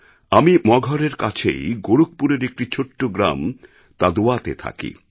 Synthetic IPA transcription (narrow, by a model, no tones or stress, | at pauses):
amimɔɡʱɔɾeɾkat͡ɕʰḛjɡoɽuk̚puɾeɾek̚ʈit͡ɕʰoʈːoɡɾa̰m | t̪ad̪oat̪ḛt̪ʰa̰kḭ